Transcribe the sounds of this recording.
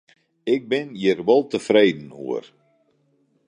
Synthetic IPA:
ɪk̚bɪnjɪrʋɔlˠtəfreːdn̩ṵər

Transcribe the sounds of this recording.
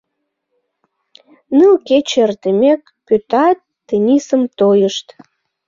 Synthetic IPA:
nɨlket͡ɕert̪əmʲekːøt̪ɑt̪ːenʲisəmt̪ojəʃt̪

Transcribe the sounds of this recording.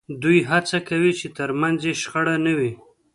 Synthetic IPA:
d̪ujɦat͡sakawit͡ʃet̪əɾmanzjeʃxaɽanawi

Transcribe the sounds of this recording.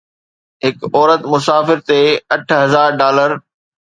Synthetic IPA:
ɦɪkɔːɾət̪mʊsaːfɪɾt̪eɐʈʰɦɐzaːɾɖaːləɾ

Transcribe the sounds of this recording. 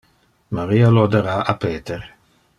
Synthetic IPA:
maɾiːalod̪eɾaapeːt̪eɾ

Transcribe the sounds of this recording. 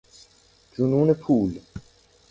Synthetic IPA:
d͡ʒununepʰuːl

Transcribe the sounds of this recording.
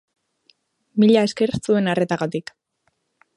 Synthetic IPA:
miʎae̞ske̞ɾsue̞nare̞t̪aɣat̪ik

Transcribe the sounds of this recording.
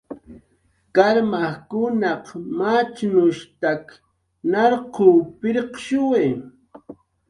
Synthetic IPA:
kaɾmakʊnɑqmat͡ʃnʊʃt̪ak | nɑɾquːpɪɾqʃʊwe

